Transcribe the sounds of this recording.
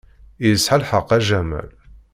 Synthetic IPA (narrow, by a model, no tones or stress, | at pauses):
ijəsħalħəqːæʒæmæ̰l